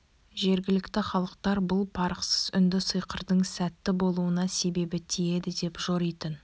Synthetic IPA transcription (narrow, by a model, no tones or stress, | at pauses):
ʒe̞ɾɡʲɪlɪkt̪ɪχɑlˠəq̚t̪ɑɾbʊlˠpʰɑɾəqsəz̥ʏ̰nd̪ɪsəjqəɾd̪əɴsæt̪ːɪbo̞lˠuənɑse̞be̞bɪt̪ʰije̞d̪ɪd̪e̞pʒo̞ɾijt̪ən